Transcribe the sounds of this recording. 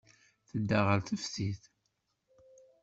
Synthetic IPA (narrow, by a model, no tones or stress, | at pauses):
θəd̪ːaʁəlθəfθiθ